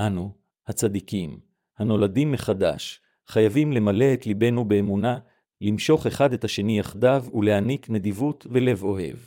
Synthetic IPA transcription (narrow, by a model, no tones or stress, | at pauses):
ʔanu | hat͡sad̪ikim | hano̞ladimːe̞χada̰ʃ | χajavimle̞male̞ːtlibe̞nube̞ːmuna | limʃo̞χe̞χadethaʃe̞nijaχdavule̞hanikne̞d̪ivutve̞le̞vo̞he̞̰v